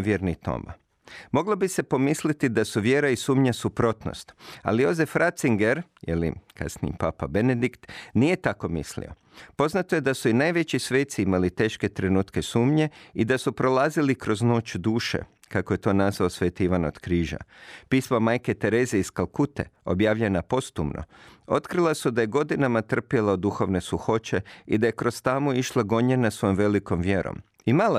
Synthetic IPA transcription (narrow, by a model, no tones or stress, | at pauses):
ʋjeɾnit̪o̰ma̰ | mo̞ɡlˠobise̞po̞mislit̪id̪asuʋjeːɾaisuːmɲasupɾo̞t̪no̰st̪a̰lijo̞zefɾat̪siŋɡe̞ɾ | jḛlḭkʰa̰snḭḭpapabened̪ikt̪nije̞t̪ako̞mḭslḭo̞̰ | po̞znat̪oje̞d̪asuinajʋet͡ɕisʋeːt̪siimalit̪e̞ːʃke̞t̪ɾe̞nuːt̪ke̞suːmɲe̞id̪asupɾo̞lˠaːzilikɾo̞zno̞ːt͡ʃd̪uːʃḛ | kakoje̞t̪o̞ːnazʋaosʋet̪iʋano̰d̪̥kɾiːʒa̰piːsmamajke̞t̪e̞ɾe̞ːzeiskalˠkut̪e̞̰o̞bjaːʋʎe̞napo̞st̪ṵmnʔo̰o̞t̪kɾilˠasud̪aje̞ɡo̞d̪inamat̪r̩pjelˠaod̪uxo̞ʋne̞suxo̞t͡ʃe̞id̪aje̞kɾo̞st̪amoiʃlˠaɡo̞ɲenasʋo̞jomʋe̞liko̞mʋjeɾo̰m | imala